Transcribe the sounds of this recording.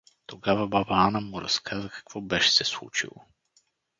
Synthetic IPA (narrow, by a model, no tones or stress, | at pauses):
t̪oɡavɐbabaanəmuɾɐ̰skʰazəkɐ̥kvɔbɛʃɛ̥sɛslˠṵt͡ʃḭlˠo̰